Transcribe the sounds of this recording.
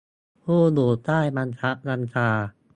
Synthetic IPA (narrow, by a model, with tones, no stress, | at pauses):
huː˥˩d̪oː˨˩t̪ːaː˥˩jma˧nsʰa˦˥ʔɾa˧nt͡ɕʰaː˧